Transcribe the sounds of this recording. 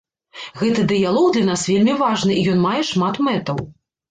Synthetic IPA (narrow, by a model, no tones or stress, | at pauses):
ɣɛt̪ɨd̪ɨjalˠɔwd̪lʲɐnasvʲelʲmʲivaʐnɨijɔnmajɛʂmat̪mɛt̪ɐw